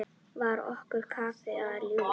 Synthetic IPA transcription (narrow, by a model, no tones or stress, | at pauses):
ʋaɾɔ̰hkʏɾkʰaːfɛaɾu